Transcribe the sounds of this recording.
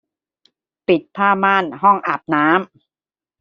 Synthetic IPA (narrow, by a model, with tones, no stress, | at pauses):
pi˨˩t̪̚pʰaː˥˩maː˥˩nɦɔ˥˩ŋʔa˨˩p̚naː˦˥m